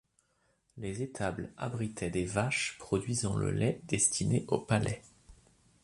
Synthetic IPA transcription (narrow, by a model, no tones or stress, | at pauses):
lezet̪ʰabla̰bʁit̪ʰɛd̪evaʃpχɔd̪ɥizɑ̃lə̰lɛd̪̥ɛst̪ʰineʔopalɛ